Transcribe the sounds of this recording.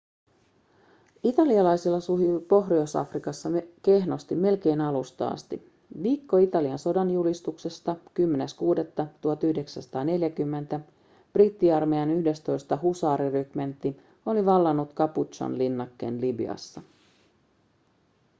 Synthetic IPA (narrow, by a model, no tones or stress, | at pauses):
it̪ɑliɑlɑjsilːɑsuɦipo̞ɦriosɑ̰frikɑsːɑke̞hno̞st̪ime̞lk̟e̞jnɑlust̪ɑ̰ɑ̰st̪ḭ | ʋiːkːo̞it̪ɑliɑnso̞dɑnjulist̪ukse̞st̪ɑkymːe̞neskuːde̞t̪ːɑt̪uɑt̪yhde̞ksænsɑ̥t̪ɑːne̞ljækymːe̞nt̪æ | b̥rit̪ːiɑrmeɑnyhde̞st̪o̞jst̪ɑɦusɑːɾirykment̪ːi | o̞liʋɑlːɑnːut̪kɑput͡ʃɑ̰nlinːɑkːḛːnlibḭɑ̰sːɑ